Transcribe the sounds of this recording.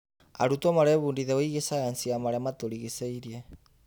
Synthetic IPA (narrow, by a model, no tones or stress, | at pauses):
a̰ɾutomaɾɛβuːndiðɛoiɣesajansiamaɾɛmatoɾiɣiseiɾie